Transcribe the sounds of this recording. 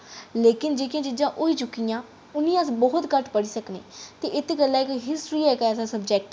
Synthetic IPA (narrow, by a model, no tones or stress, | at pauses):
leːkɪnd͡ʒeːkjãːd͡ʒɪd͡ʒãːʔoiːt͡ʃʊkːijãː | ʊnĩːəsbɔːʊt̪kəʈpəɽiːsəknḛːt̪eːʔɪt̪ːɡəlːãːɪkɦɪsʈɾiːɛːkːɛːsãsəbd͡ʒɛːk̚ʈ